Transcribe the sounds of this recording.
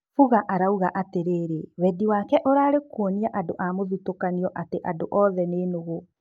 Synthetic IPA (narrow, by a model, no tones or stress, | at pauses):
fuɣaʔaɾauɣaʔateɾeːɾewɛdiwakɛʔoɾaːɾekoniaʔadoʔamoðitokaniɔʔateʔadoʔɔðɛneːnoɣo